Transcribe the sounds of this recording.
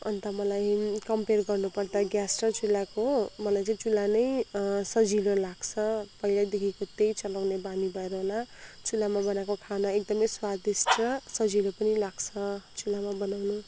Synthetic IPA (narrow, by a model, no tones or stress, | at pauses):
ʌ̰nt̪amʌlajkʌmperɡʌrnupʌrd̪aɡjasʈrʌt͡sulakomʌlajt͡saĩt͡sulanʌjsʌd͡zilolaɡt͡sʰʌpʌɦilajd̪ekʰikot̪ejt͡sʌlawnebanibʱʌeɾʌɦolat͡sulamabʌnakokʰanaek̚d̪ʌmʌjswad̪isʈrʌsʌd͡zilopʌnilaɡt͡sʰʌt͡sulamabʌnawnu